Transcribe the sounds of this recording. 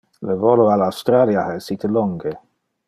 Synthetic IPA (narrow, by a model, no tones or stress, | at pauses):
ləvɔloalawst̪ɾaljahaesit̪əlɔŋɡe